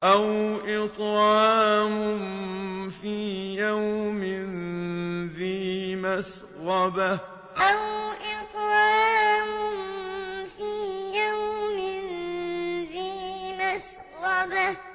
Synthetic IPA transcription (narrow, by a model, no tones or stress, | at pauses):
ʔawʔɪt̪ˤɾaːmʊmfiːjawmɪn | ðiːmas | ɾɑba | ʔawʔɪt̪ˤɾaaːmʊnfiːjawmɪn | ðiːmas | ɾɑba